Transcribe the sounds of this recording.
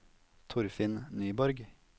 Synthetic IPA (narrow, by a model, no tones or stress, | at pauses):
t̪ʰʊɾfɪnnyːbɔɾɡ